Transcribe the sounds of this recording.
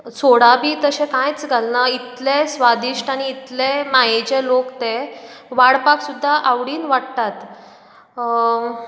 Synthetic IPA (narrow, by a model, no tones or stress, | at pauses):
soɽabʱiːt̪əɕẽkãjt͡sɡʱalnəit̪lesʋad̪iʂʈaɽ̃iːt̪lemajet͡ɕelokt̪eʋaɽpaksud̪ʱːaʔaʋɽiːnʋaɽt̪at̪